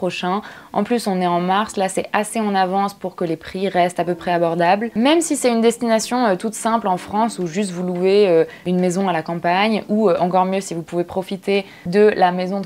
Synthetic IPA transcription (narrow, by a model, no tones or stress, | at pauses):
χɔʃɛ̃ | ɑ̃plysɔ̃nɛɑ̃maʁslasɛaseɑ̃navɑ̃spuʁkəlepχiʁɛst̪apøpχɛabɔʁd̪ablmɛmsisɛynd̪ɛst̪inasjɔ̃øt̪ut̪sɛ̃plɑ̃fχɑ̃suʒyst̪vuluveø | ynmezɔ̃alakɑ̃paɲuøʔɑ̃kɔʁmjøsivupuvepχɔfit̪e | d̪əlamezɔ̃